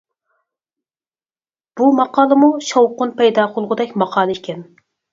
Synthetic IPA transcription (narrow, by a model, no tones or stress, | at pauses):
b̥umɑqɑːlˠɨmuʃowqʊnpʰɛjd̪ɑːqʰʊlˠʁʊd̪ɛkʲmɑqʰɑːlˠɨikʲʰɛn